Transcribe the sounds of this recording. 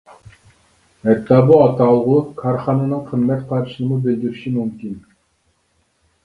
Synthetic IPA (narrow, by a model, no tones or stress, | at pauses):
ɛt̪ːɑbuɑt̪ɑlˠʁukʰɑɾχɑnɑnɨŋqʰəmmːɛt̪qʰɑɾʃɨnɨmubɪlɡ̪ʲiɾiʃimymkʲin